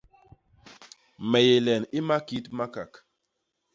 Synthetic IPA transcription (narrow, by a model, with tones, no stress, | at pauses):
mɛ˨je˨lɛ˨nɪ˦ma˦ki˨˦tma˦ka˨k